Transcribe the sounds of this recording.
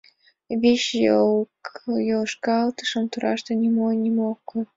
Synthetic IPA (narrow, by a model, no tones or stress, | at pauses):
βeɕjo | joʃkɑɑlt̪ə̥ʃəmt̪uɾʔɑʃt̪enʲimonʲimokːoj